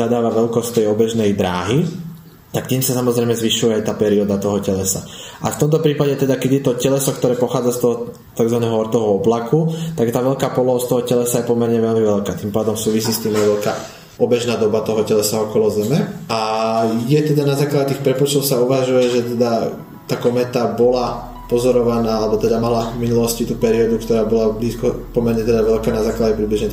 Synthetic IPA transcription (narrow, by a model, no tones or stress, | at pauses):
ad̪aːʋaʋɛʎkɔst̪ːɛjɔbɛʒnɛjd̪ɾa̰ːɦi | t̪akt̪iːmsasamɔzɾɛjmɛzʋiʃujɛajt̪aːpɛɾiɔd̪at̪ɔɦɔcɛlɛsa̰ʔa̰ft̪ɔmt̪ɔpɾiːpaɟɛt̪ɛd̪akɛɟjɛt̪ɔcɛlɛsɔkt̪ɔɾɛːpɔxaːd͡zast̪ɔɦɔ | t̪aɡzʋanɛːɦɔɔɾt̪ɔɦɔɔblakut̪aɡjɛt̪aːʋɛʎkaːpɔlɔɦɔst̪ɔɦɔcɛlɛsajɛpɔmɛɾɲɛʋɛʎmiʋɛʎkaːt̪impaːd̪ɔmsuːʋis̬iːst̪iːmajʋɛʎkaː | ɔbɛʒnaːd̪ɔbat̪ɔɦɔcɛlɛsaɔkɔlɔzɛmɛajɛt̪ɛd̪anazaːklaɟɛt̪ixpɾɛpɔt͡ʃt̪ɔʊsauʋaʒujɛʒɛt̪ɛd̪a | t̪akɔmɛt̪abɔla | pɔzɔɾɔʋanaːalɛbɔt̪ɛd̪amalavminulɔscit̪uːpɛɾiɔd̪ukt̪ɔɾaːbɔlabliːskɔpɔmɛɾɲɛt̪ɛd̪aʋɛʎkaːnazaːklaɟɛpɾidbliʒɲɛt̪